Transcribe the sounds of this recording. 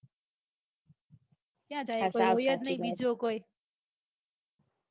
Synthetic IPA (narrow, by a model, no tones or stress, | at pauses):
t̪jãd͡ʒajkoojət̪nəĩbid͡ʒokoj